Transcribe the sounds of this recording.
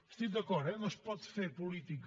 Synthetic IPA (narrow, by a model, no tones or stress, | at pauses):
ʃt̪iðɐkɔɾɛmɐ̃ʃpɔðfeɾpulˠit̪ik